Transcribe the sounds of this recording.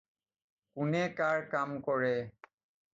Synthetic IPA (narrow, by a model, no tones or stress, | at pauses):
kʊnɛkaɹkamkɔɹɛ